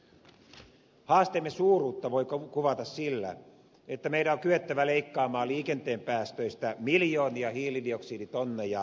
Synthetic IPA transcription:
hɑːst̪emːesuːruːt̪ːɑʋoikkuʋɑt̪ɑssilːæ̰ | et̪ːæmeiɾæoŋkyet̪ːæʋæleikːɑːmɑːliːkent̪eːmpæːst̪øist̪æmiljoːniɑhiːlidioksiːdit̪onːejɑ

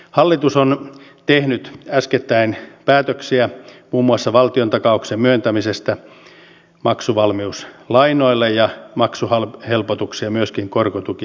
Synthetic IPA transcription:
hɑlːit̪usont̪ehnyt̪æsket̪ːæinpæːt̪øksiæmuːmːuɑsːɑʋɑlt̪iont̪ɑkɑuksemmyønt̪æmisest̪æ | mɑksuʋɑlmiuslɑinoilːejjɑmɑksuhɑlhelpot̪uksiɑmyøskiŋkorkot̪uki

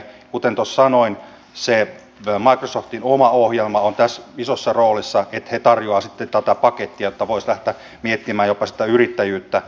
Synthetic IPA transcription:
kut̪ent̪ossɑnoin | se | mɑikrosoft̪inomɑohjelmɑont̪æsisosːɑroːlisːɑet̪het̪ɑrjoɑːsit̪ːent̪æt̪æpɑket̪ːiɑjot̪ːɑʋoislæht̪æ | miet̪ːimæːjopɑsi̥t̪æyrit̪ːæjyːt̪ːæ

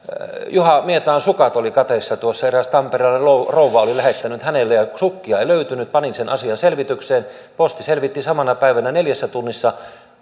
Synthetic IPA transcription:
juhɑmiet̪ɑːnsukɑt̪olikɑt̪esːɑt̪uosːɑeræst̪ɑmperilːelrouʋˑɑolilæhet̪ːænyt̪hænelːejɑsukːiɑeˑiløyt̪ynyt̪̚pɑninsenʔɑsiɑnselʋit̪ykseːn | post̪iselʋit̪ːisɑmɑnɑpæˑiʋænæneljæsːæt̪unːisːɑ

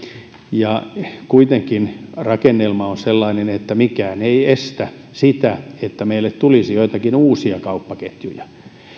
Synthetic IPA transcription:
jɑkuit̪eŋkinrɑkenːelmɑonselːɑinenet̪ːæmikæːneiest̪æ | sit̪æet̪ːæmeilːet̪t̪ulisijoit̪ɑkinuːsiɑkɑupːɑket̪jṵjɑ

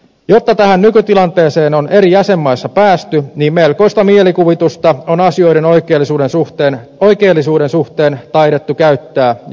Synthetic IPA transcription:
jot̪ːɑt̪æhænnykyt̪ilɑnt̪e̞ːseːnone̞ɾijæsemːɑisːɑpæːst̪yniːmmelko̞ist̪ɑmielikuʋit̪ust̪ɑonɑsio̞iɾenoikeːlːisuːdensuht̪eːnoikeːlːisuːdensuht̪eːnt̪ɑiɾet̪ːukæyt̪ːæː

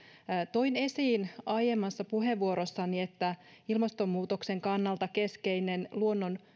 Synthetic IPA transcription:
t̪o̞ine̞siːnɑjemːɑsːɑpuɦe̞ʋːuo̞ɾosːɑniet̪ːæilmɑst̪o̞mːuːt̪okse̞ŋkɑnːɑlt̪ɑke̞ske̞jne̞nluo̞nːon

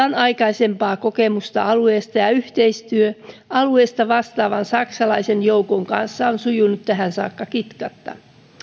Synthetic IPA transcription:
ɑnɑijkɑisempɑːkokemust̪ɑ̰ɑlueːst̪ɑjɑyht̪eist̪yøɑlueːst̪ɑʋɑst̪ɑːʋɑnsɑksɑlɑisenjoukoŋkɑ̰nsːɑonsujunːut̪t̪ːæɦænsɑ̰ːkːɑkit̪kɑt̪ːɑ̰

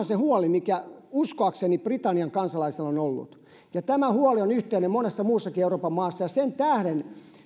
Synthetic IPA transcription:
nsehuɔlimikæuskoɑkseniprit̪ɑnːiɑŋkɑnsɑlɑiselonolːṵt̪ | jɑt̪æmæhuɔlionyht̪eːnemmonesːɑmuːsːɑkieuroːpɑmɑːsːɑjɑsent̪æhɾen

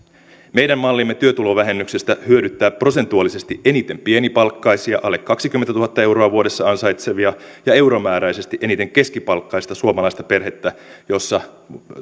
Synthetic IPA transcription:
mejɾæmːmɑlːimːe̞t̪yøt̪ulo̞ʋæɦe̞mːykse̞st̪æhyøɾyt̪ːæːpro̞se̞nt̪uɑlise̞st̪iʔe̞nit̪e̞mpie̞nipɑlkːɑjsiɑʔɑlːekːɑksik̟ymːet̪t̪uhɑt̪ːɑe̞wɾo̞ɑʋuo̞ɾe̞sːɑɑnsɑjt̪se̞ʋiɑjɑe̞wɾomæːɾæjse̞st̪iʔe̞nit̪e̞ŋke̞skipɑlkːɑist̪ɑsuomɑlɑist̪ɑpe̞rhe̞t̪ːæjo̞sːɑ

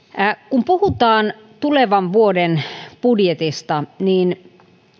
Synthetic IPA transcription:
kumpuhut̪ɑːn | t̪uleʋɑʋʋuodenpudjet̪ist̪ɑniːn

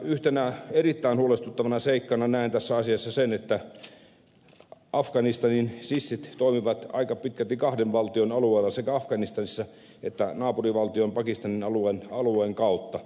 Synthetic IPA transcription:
yht̪enæerit̪ːæinhuolest̪ut̪ːɑʋɑnɑseikːɑnɑnæˑint̪æsːæɑsiɑsːɑsenet̪ːæ | ʔɑfkɑnist̪ɑninsisːit̪t̪oimiʋɑt̪ɑ̰ikɑpit̪̚kælt̪ikɑhdeʋʋɑlt̪ionɑlueːlːɑsekæɑfkɑnist̪ɑnisːɑ | et̪ːænɑːpuriʋɑlt̪iompɑkist̪ɑninɑluenɑlueŋkɑut̪ːɑ

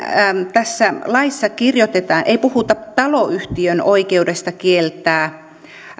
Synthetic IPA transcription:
t̪æsːælɑisːɑkirjot̪et̪ɑːnʔeipuhut̪ɑt̪ɑloyht̪iønoikeudest̪ɑkielt̪ˑæː

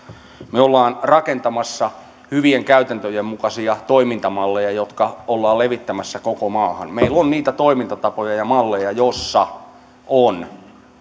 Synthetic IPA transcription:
meolːɑːnrɑkent̪ɑmɑsːɑ | hyʋieŋkæyt̪ænt̪øjemmukɑsiɑt̪oimint̪ɑmɑlːejɑjot̪kɑolːɑːlleʋit̪ːæmæsːækokomɑːhɑ̰nmeilonniːt̪æt̪oimint̪ɑt̪ɑpojɑjɑmɑlːejɑjosːɑ | on

